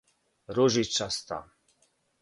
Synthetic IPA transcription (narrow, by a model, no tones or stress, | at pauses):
ɾɔʒit͡ʃast̪a̰m